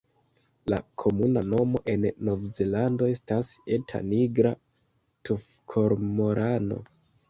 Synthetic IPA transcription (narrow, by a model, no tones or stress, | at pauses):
lakʰo̞munano̞mo̞ʔe̞nːo̞vze̞lando̞e̞stase̞tʰa̰niɡɾa | tʰuf | kʰo̞ɾmo̞ɾʔano̞̰